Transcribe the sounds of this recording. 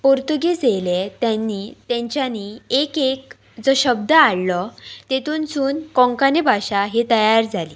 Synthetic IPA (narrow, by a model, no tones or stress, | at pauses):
poɾt̪uɡed͡zejlet̪jãnːit̪jɛ̃ɲt͡ɕjaniekek | d͡zɔɕəb̚d̪əaɽlɔt̪et̪uːnt͡suːnkɔ̃ŋkanebʱaɕaɦet̪əjaɾd͡zʱaliː